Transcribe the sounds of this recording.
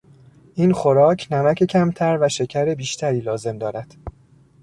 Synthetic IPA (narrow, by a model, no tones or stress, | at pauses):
ʔiːnxoɾɒːcʰnæmæcʰe̞cʰæmt̪ʰæɾvæʃe̞cʰæɾe̞biːʃt̪ʰæɾiːlɒːze̞md̪ɒːɾæd̪̥